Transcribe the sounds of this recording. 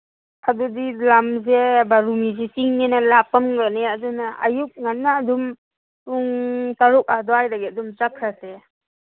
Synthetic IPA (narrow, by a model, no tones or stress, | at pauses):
kʰadudilamzebaɾumizisiŋnenalapamɡaneadunaa̰juk̚ŋanːaːdum | uŋtaɾuk̚adɔajdaɡiadumt͡ʃakʰɾase